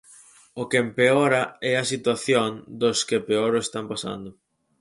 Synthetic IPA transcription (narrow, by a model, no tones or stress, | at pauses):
okeempeoɾɐɛɐsit̪waθjond̪oskepeoɾoest̪ampasa̰nd̪ʊ